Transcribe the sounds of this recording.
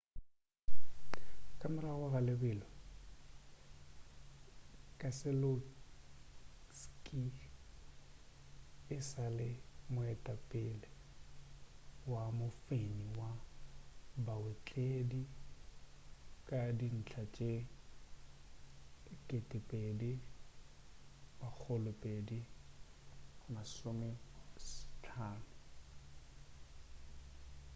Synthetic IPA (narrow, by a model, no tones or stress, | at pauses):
kʼamɪlaɣʊɣalɪbɪlɔ | kʼasɪlo | skʼi | ɪsalɪmʊɛtʼapʼɪlɛ | wamʊfeniwa | bawet͡ɬʼedi | kʼadin̩t͡ɬʰat͡ʃʼe | kʼɪtʼɪpʼedi | bak͡xʰʊlʊpʼedi | masʊmɪst͡ɬʰaːnʊ